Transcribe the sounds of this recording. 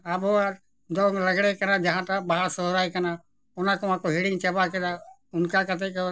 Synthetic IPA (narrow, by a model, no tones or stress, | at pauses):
abʱoa | d̪oːŋləɡɽekənãːd͡ʒəɦãːt̪abaɦəɾsoːɾaːikənaː | ʊnãkomãːkoɦiːɽɪŋɡt͡ʃəbaked̪a | ʊnkakət̪ʰek